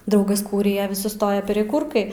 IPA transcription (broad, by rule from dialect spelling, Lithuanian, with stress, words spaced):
ˈdɐʊɡɐs ˈkuːrʲɪjɛ ʋʲɪs sʊˈstoːjɛ pʲɛrʲɛˈkuːrkɐɪ